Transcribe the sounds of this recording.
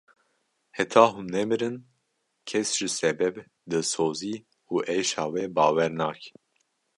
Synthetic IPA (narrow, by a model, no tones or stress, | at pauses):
hɛt̪ʰɑːɦunnɛmɨɾɨn | kʰɛsʒ̥ɨsɛbɛb | d̪ɨsoːziː | uːʔɛjʃɑːwɛbɑːwɛɾnɑːk